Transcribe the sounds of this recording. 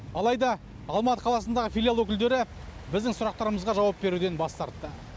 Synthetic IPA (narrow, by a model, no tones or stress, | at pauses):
ɑlˠɑjd̪ɑ | ɑlˠmɑt̪ə̥qʰɑlˠɑsənd̪ɑʁəfʲijlʲialˠwɵkʲɪld̪e̞ɾɪ | bɪzd̪ɪŋsʊɾɑqt̪ɑɾəməzʁɑʒɑwɑp̚be̞ɾud̪e̞nbɑst̪ɑɾt̪ːə